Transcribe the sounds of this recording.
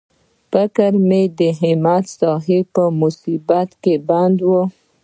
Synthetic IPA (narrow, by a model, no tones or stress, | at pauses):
fakaɾmed̪əɦɪmat̪sɑɦepəmʊsibat̪keband̪wə